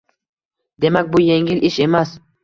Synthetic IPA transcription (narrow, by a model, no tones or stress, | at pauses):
d̪e̞mak̚ʲbʊje̞ŋʲɪlʔɪʃe̞mas